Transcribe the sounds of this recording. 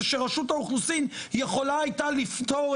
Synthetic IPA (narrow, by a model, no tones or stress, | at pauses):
ʃeʁaʃutauχnusimjeχo̞laajt̪alift̪o